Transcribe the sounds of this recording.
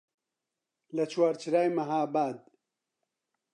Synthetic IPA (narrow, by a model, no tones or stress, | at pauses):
lɐt͡ʃʰwaːɾt͡ʃʰɨɾaːjmɐɦaːbaːd̪̚